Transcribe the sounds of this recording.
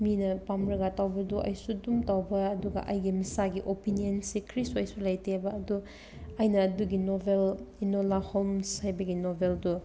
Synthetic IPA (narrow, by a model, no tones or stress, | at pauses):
minɐpamɾɐɡatawbɐduʔɐ̰jsudumtawbɐːduɡɐ̰ʔɐ̰jɡimisaɡiʔopinionsikʰɾisɐjsulajtebɐːdu | ɐjnɐːduɡinobʱelinolahomshajbɐɡinobʱeldu